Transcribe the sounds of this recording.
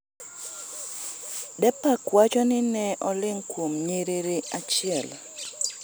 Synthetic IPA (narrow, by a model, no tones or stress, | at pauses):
dɛpakwat͡ʃɔnɪnɛʔɔlɪŋkwomɲeɾeɾeat͡ʃɪɛl